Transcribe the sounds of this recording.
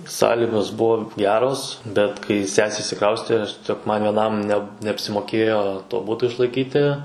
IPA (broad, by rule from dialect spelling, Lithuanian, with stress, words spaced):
ˈsɑːlʲɪɡoːs ˈbʊʋoː ˈɡʲæːroːs bʲɛt kɐɪ ˈsʲæːsʲeː ɪʃʲsʲɪˈkrɐʊsʲtʲeː ɐʃ tʲiɛˈsʲoːk ʋʲiɛˈnɐm nʲɛ nʲɛɐpʲsʲɪmoːˈkʲeːjoː toː ˈbʊtoː ɪʃlˠɐɪˈkʲiːtʲɪ